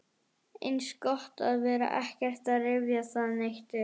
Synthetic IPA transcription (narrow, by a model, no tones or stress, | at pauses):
enskɔht̪a̰ðvɛːɾa̰ʔɛhkɪɾ̥t̪aɾevjasaðnɛxt̪ɪ